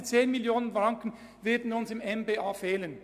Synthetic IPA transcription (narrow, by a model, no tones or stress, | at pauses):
t͡seːnmiljoːnənfʁɑŋkən̩ | vɪɐdn̩ʊnsɪmɛnbeːaːfeːlən